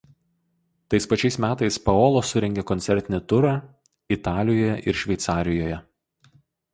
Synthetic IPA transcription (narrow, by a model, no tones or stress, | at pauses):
t̪ɐɪspɐt͡ʃʲɛɪsmʲæːt̪ɐɪspɐoːlˠoːsʊɾʲɛŋʲɡʲekɔnʲsʲɛɾʲt̪ʲɪnʲɪt̪ʊɾɑː | ɪt̪ɑːlʲɪjoːjɛ̰ʔɪɾʃʲʋʲɛɪt̪sɑːɾʲɪjoːjɛ